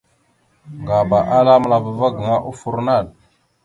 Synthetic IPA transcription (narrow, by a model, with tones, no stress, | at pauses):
ŋɡa˨ba˨ʔa˦la˦mə˦la˨və˨va˦ɡə˨ŋa˦ʔu˦fu˦ɾna˦˨l